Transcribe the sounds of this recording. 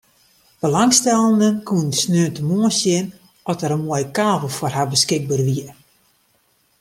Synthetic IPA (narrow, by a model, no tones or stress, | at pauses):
b̥əlaŋstɛlˠəndənkuəndəsnøəntəmoəsjɪn | ɔtəɾənmoəjəkaːvəlˠfʊrɦabəskɪɡ̚bərʋiə